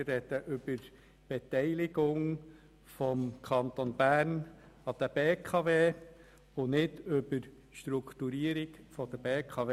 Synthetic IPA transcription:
rːɛd̥̪əʔʏb̥əɾ | b̥ɛt̪ɛɪlɪɡʊŋ | fɔmkʰɑnt̪onbæːɾn | ɑd̥̪əb̥eːkʰɑveː | ʊnɪd̪ʏbəɾ | ʃt̪ɾukʰt̪uɾiəɾiɡfɔd̪əbeːkʰɑʋe

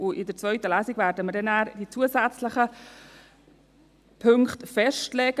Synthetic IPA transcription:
ʊʔɪdət͡svœʏtəlæːsiɡvæɾdəməɾdɛnaːɾd̥it͡suːəsæt͡sləχə | pʰɵŋktfɛʃtlɛːɡ̥ə

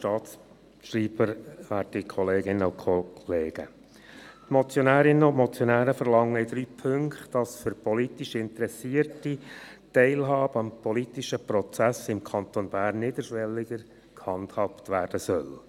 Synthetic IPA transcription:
ʃtɑːt̪s | ʃriːb̥əɾʋæːtikʰɔleːɡɪnːəʊkʰoleːɡ̥ə̰ | tmɔt͡sjonæːɾɪnːəʊntmɔt͡sjonæːɾəfəɾlɑŋːəɪd̥ɾyːpʰɵŋktd̥ɑsfʏɾpɔlit̪iʃɪnt̪əɾɛsiərtitɛɪlɦɑːbəɑmpɔlitiʃəpɾɔt͡sæsɪmkʰɑnt̪oːnbæːrnːɪd̪əɾʃʋɛlːɪɡəɾ | khɑndhɑptʋæːrd̥əsœl

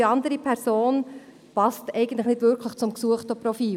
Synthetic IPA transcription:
ɑnd̪əɾipʰɛɾsoːn | pɑstɛɪɡən̩tləχnɪdʋʏɾkʰləχt͡sʊmksuəχtɔprɔfiː

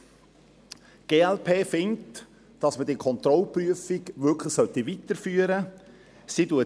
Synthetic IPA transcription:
ɡ̥eːɛlpʰeːfɪnt | d̥ɑsmədikʰɔnt̪ɾɔlpryəfiɡʋʏɾkʰləχsœtiʋitəɾfyːəɾə | siduə

